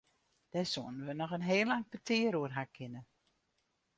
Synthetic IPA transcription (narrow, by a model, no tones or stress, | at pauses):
d̥ɛsoənənʋənɔxənɦeːlaŋpətʰɪəɾuərɦakʰɪnə